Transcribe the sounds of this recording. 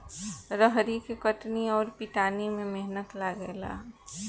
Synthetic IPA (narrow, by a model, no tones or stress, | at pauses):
ɾəɦɾikekəʈniɔːɾpiʈaːnimẽmeɦnət̪laɡɛla̰ː